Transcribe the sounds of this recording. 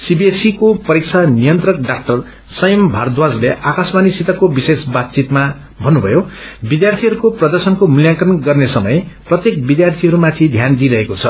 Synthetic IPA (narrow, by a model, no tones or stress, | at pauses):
sibiesikopʌɾik̚t͡sʰanijʌnt̪rʌk̚ɖak̚ʈʌr | sʌjʌmbʱard̪wad͡zleʔakasmanisit̪ʌkobisesbat̪̚t͡sit̪ma | bʱʌnːubʱʌjobid̪jart̪ʰiɦʌɾukoprʌd̪ʌrsʌnkomuljakʌrʌnɡʌrnesʌmʌjprʌt̪jek̚bid̪jart̪ʰiɦʌɾumat̪ʰid̪ʱjand̪iɾʌɦekot͡sʰʌ